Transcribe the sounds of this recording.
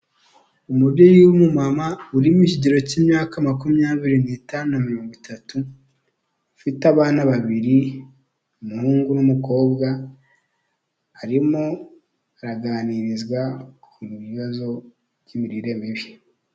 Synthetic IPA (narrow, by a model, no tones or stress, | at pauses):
umuɾɟojiumumamauɾimiʃiɟeɾo̞ciːmɲaːkamakumɲaːβiɾinitaːnunamiɾo̞ːŋɡitʰatu | fitaβaːnaβaβiɾi | umuhuːŋɡunumuko̞ːbɡa | aɾimo̞ | aɾaɡaːniɾizɡwakuβiβazo̞ | βɟimiɾiɾe̞miβi